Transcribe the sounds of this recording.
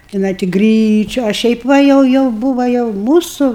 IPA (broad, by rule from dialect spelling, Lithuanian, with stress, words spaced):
tʲɪˈnɐɪ tʲɪ ˈɡrʲiːt͡ʃʲʊ ɐ ˈʃʲɛɪp ˈʋɐ ˈjɛʊ ˈjɛʊ ˈbuːʋɐ jɛʊ ˈmuːsʊ